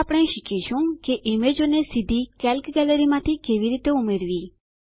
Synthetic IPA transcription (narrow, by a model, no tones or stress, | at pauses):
apɽ̃eʃikiʃũkeʔimed͡ʒonesid̪ʱikɛlkɡɛləɾimãt̪ʰikeʋiɾit̪eumeɾʋi